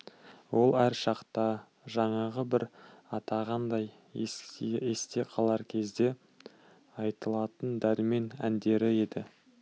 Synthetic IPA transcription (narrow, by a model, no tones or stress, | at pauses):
wo̞lˠæɾʃɑqt̪ɑ | ʒɑɴɑʁəbɪɾɑt̪ɑʁɑnd̪ɑj | esest̪e̞qʰɑlˠɑɾkʲʰe̞zd̪e̞ | ɑjt̪əlˠɑt̪ənd̪æɾɪme̞næ̰nd̪e̞ɾɪe̞d̪ɪ